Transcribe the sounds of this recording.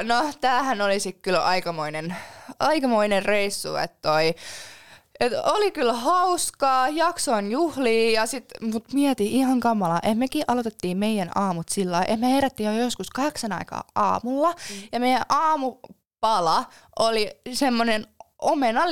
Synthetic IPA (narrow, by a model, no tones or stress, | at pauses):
not̪æːhænolisikkylɑ̰ikɑmoinenɑikɑmoinerreisːṵḛt̪ːoi | et̪olikylhɑuskɑːjɑksoinjuhliːjɑsit̪mut̪miɛt̪iihɑŋkɑmːɑlɑʔetmekiːʔɑlot̪et̪ːiːmmeijænɑːmut̪silːɑiʔehmeheræt̪ːiːjojoskuskɑheksɑnɑ̰ikɑ̰ːʔɑ̰ːmulːɑjɑmeijænʔɑːmu | pɑlɑʔolisemːonenʔomenɑ